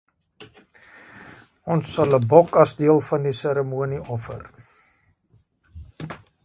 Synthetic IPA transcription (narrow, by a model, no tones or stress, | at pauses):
ɔnsːɐləbɔkɐsdiəlˠfɐndisəɾəmuəniʔɔfə̰r